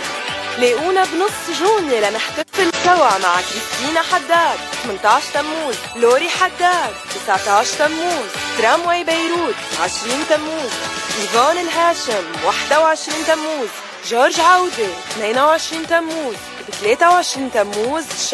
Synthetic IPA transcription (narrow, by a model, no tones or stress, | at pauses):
leːʔuːnabnɨsˤːʒuːnjelanɪħt̪ɪfɪlsawaʕma̰ʕklɪst̪iːnaħad̪ːaːd̪̚t̪mɪnt̪ˤɑːʕʃt̪amːuːz | loːɾiħad̪ːaːd̪̚t̪ɪsʕt̪ɑʕʃt̪amːuːzt̪ɾamwajbajɾuːt̪ʕɪʃɾiːnt̪amːuːzʔiːvɑːnɪlɦaːʃamwaħd̪awʕɪʃɾiːnt̪amːuːz | ʒoːɾʒʕawd̪et̪meːnawʕɪʃɾiːnt̪amːuːz | bt̪leːt̪awʕɪʃɾiːnt̪amːuːz